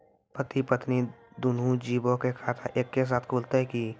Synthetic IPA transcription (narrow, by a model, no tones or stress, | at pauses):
pət̪ipət̪nid̪uːnũd͡ʒiːbõkekʰaːt̪ʰaʔeːkːes̬aːt̪ʰkʰuːlt̪eɦɛki